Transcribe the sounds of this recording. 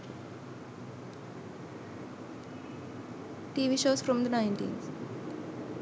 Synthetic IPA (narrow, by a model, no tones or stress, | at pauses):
ʈiːʋiːʃoːzfɾɔ̃md̪ənãɪ̃ɳʈḭ̃ːnz